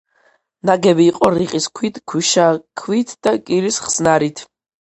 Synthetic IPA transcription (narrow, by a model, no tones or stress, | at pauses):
naɡɛbiːqʼɔɾiqʼiskʰwit̪ʰkʰwiʃakʰwit̪ʰd̪̥akʼiɾisχsnaɾit̪ʰ